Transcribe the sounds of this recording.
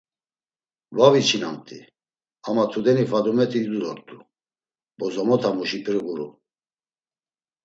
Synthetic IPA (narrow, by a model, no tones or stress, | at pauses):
vavit͡ʃʰina̰mt̪ʼḭ | amat̪ʰud̪ɛnifad̪umɛt̪ʰiːd̪ud̪ɔɾt̪ʰʼu | bɔzɔmɔt̪ʰamuʃipʰɾiɣuɾu